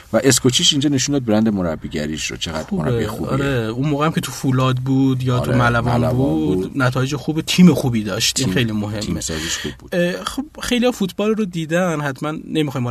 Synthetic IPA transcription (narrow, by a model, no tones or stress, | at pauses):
væʔeskʰot͡ʃʰiʃind͡ʒɒːneʃund̪ɒːd̪̚beɾænd̪emoɾæ̰bːiːɡɟæ̰ɾiʃɾo̰t͡ʃʰeɣæ̰d̪ɾɾb̰iuɒ̰ɾeunmoːɣehæmcʰe̞t̪ʰufulɒːd̪buːd̪jɒːt̪ʰumælævɒːnbud̪næt̪ʰɒːjed͡ʒexuːbet̪ʰiːmexuːbiːd̪ɒ̰ːʃt̪inxe̞jlimoɦe̞miːesɒziʃxubuːd̪xobxe̞jlihɒfut̪ʰbɒːlrod̪iːd̪ænɦæt̪ʰmænːemixɒːjmo